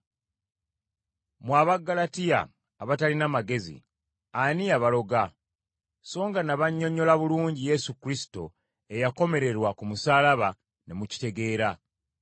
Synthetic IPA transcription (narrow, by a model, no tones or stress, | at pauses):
mwaːβaɡːalatija̰ː | βatalinamaɡe̞zḭ | aniaβalo̞ɡa | so̞ːŋɡanaβaɲːo̞ɲːo̞laβuluːɲɟije̞sukɾisi̥to̞̰ | e̞jako̞me̞ɾe̞ɾwakumusaːlaβa | ne̞muci̥te̞ɡe̞ːɾa